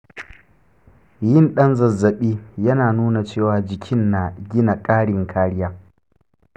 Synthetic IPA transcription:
jɪ˦˨nɗɐ˦nzɐ˨zːɐ˨ɓiː˦jɐ˦naː˨nuː˦na˨t͡ʃeː˦˨waː˨d͡ʒɪ˨kʲʰɪ˦nːa˨ɡʲɪ˦na˨kʼaː˦ɽɪ˨ŋkʰaː˦ɽɪ˦jaː˦

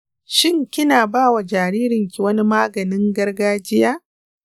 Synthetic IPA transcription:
ʃɪ˦ŋkʲɪ˦naː˨baː˦wa˨d͡ʒaː˨ɾiː˦ɾɪ˨ŋkʲi˨wɐ˦ni˦maː˦ɡɐ˨nɪ˦ŋɡɐ˦rɡaː˦d͡ʒɪ˦jaː˦

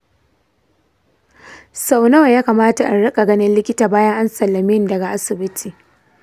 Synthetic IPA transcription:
sa˨wna˦wjaː˦kaː˨maː˦ta˨ʔa˨ɽɐ˦kʼa˨ɡɐ˦nɪ˦nlɪ˦kʲɪ˦taː˨baː˦jɐ˦ŋʔa˦nsɐ˨lːɐ˨mɪ˦ndɐ˨ɡa˨ʔa˦sɪ˨bɪ˦tʰiː˨

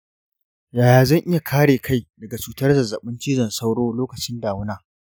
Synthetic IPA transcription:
jaː˨jaː˨zɐ˦ŋʔɪ˦ja˨kʰaː˦ɽeː˨kʰa˦˨jdɐ˨ɡa˨t͡ʃuː˨tɐ˦rzɐ˨za˨ɓɪ˦nt͡ʃiː˦d͡ʒɐ˨nsa˦wɽoː˦loː˦kɐ˨t͡ʃɪ˦ndaː˨wʊ˦naː˦

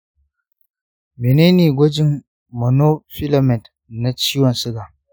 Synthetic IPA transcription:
mi˨ne˦ni˨ɡʷo˦d͡ʒi˦ŋ | mo˨no˦fi˦la˨mɛ˨t | na˦t͡ʃi˦wa˨nsɨ˦ɡa˨

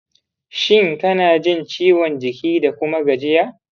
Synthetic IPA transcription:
ʃɪ˦˨ŋtɐ˦naː˨d͡ʒɪ˦nt͡ʃiː˦wɔ˨nd͡ʒɪ˨kʲiː˦da˨kʷʊ˦ma˦ɡɐ˨d͡ʒɪ˦jaː˦ʔ

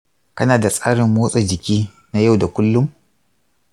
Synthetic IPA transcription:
kɐ˦naː˨da˨sʼaː˦ɽɪ˨mːoː˦sʼa˨d͡ʒɪ˨kʲiː˦ | na˦ja˦˨wda˨kʷʊ˦lːʊ˦m

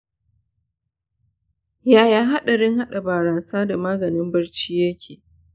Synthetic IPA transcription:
jaː˦jaː˦ɦa˦ɗa˨ɽɪ˦ŋɦa˦ɗa˨baː˨ɾaː˨saː˦da˨maː˦ɡɐ˨nɪ˦mbɐ˦ɽt͡ʃiː˦jɐ˦kʲʰeː˨

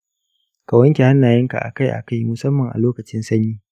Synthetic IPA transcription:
ka˨wɐ˦ŋkʲe˨ha˦nːaː˨jɪ˦ŋka̰˨ʔa̰˨ka˦˨jʔa̰˨ka˦jmʊ˨sɐ˦mːɐ˨ŋʔa̰˨loː˦kɐ˨t͡ʃɪ˦nsɐ˦ɲiː˦

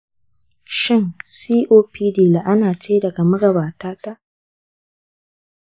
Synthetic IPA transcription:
ʃɪ˦nsiː˦ʔoː˦piː˦diː˦˨la˨ʔa˦naː˨t͡ʃeː˦dɐ˨ɡa˨mɐ˦ɡɐ˨baː˨taː˦ta˦ʔ

